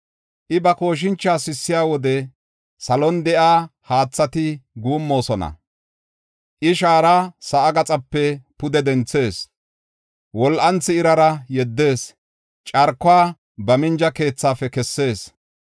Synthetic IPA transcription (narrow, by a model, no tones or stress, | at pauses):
ʔɪbɐko̞ːʃ̬ɪnt͡ʃːaːsɪsːɪjaːwɔd̪ɛ | sɐlɔnd̪ɛʔaːhaːt͡sːɐt̪ɪɡuːmːo̞ːsɔnɐ̰ | ʔɪʃaːɾasɐːɡɐt͡sʼɐpːɛpʊd̪ɛd̪ɛnt͡sːe̞ːs | wɔlʔɐnt͡sːɪːɾɐɾɐjɛd̪ːe̞ːs | t͡ʃʼɐɾkːʊaː | bɐmɪnd͡ʒɐke̞ːt͡sːaːfɛkɛsːe̞ːs